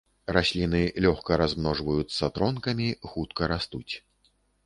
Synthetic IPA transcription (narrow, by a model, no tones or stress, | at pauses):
rasʲlʲinɨlʲɔxkɐɾazmnɔʐvɐjut̪sːɐt̪ɾɔnkɐmʲixut̪̚kɐɾast̪ut͡sʲ